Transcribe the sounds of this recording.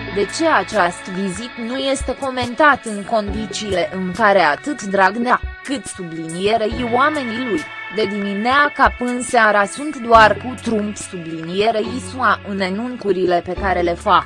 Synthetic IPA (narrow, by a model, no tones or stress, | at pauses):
d̪e̞t͡ʃe̞at͡ʃast̪vizit̪nuje̞st̪e̞ko̞me̞nt̪at̪ɨŋko̞nd̪it͡ʃiːle̞ʔɨŋkaɾe̞at̪ɨt̪d̪ɾaɡneakɨt̪sublinije̞ɾeiwame̞nilujd̪e̞d̪imineakapɨnseaɾasunt̪d̪oarkut̪ɾumpsublinije̞ɾeisuaʔɨnenuŋkuɾile̞pe̞kaɾe̞le̞fak